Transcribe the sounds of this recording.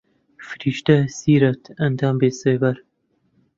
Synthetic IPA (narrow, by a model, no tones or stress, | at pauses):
fɨɾiːʃt̪ɐsiːɾɐt̪ʰɐnd̪ɑːmbeːseːbɐɾ